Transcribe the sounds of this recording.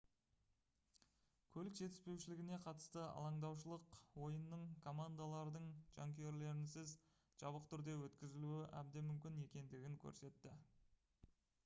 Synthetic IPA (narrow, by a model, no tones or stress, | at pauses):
kʲʰɵlɪkʒe̞t̪ɪ̥spe̞wʃɪlɪɡʲɪne̞qʰɑt̪ə̥st̪əɑ̰lˠɑɴd̪ɑwʃ̬əlˠəqwo̞jənːəɴkʰo̞mand̪alˠɑɾd̪əɴʒ̥aŋkʲeje̞ɾle̞ɾɪnsɪz | ʒ̥ɑβəqt̪ʰʏɾd̪e̞wɵt̪kʲɪzɪluɪʔæ̰b̚d̪e̞mʏmkʲɪne̞kʲe̞nd̪ɪɡʲɪŋkʲʰɵ̰ɾse̞t̪ːɪ